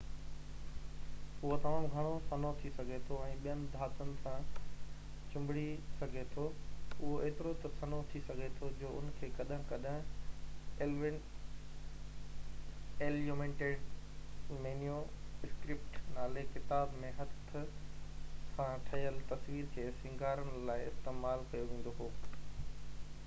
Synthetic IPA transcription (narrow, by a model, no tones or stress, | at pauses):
ʊɦot̪ɐmaːmɡʱɐɽ̃osɐnot̪ʰisɐɡʱet̪ʰoɛ̃ːɓijənɪ̆d̪ʱaːtənɪ̆sã | t͡ɕʊ̃mbɪɽisɐɡʱet̪ʰoʊɦoʔeːt̪ɪɾot̪ɐsɐnot̪ʰisɐɡʱet̪ʰod͡ʑoːʊ̰nkʰeːkɐɗɦə̃kɐɗɦ | eʋɪ | eːljomẽːɳʈeːɖ | meːnijoɪskɾɪp̚ʈnaːlekɪt̪aːbmẽɦɐt̪ʰːʊ | kʰãʈʰɐjəlt̪ɐsʋiːɾkʰeːsɪ̃ŋɡʱaːɾənɪlaːɪɪst̪eːmaːlkɐjoʋĩːn̆d̪oɦoː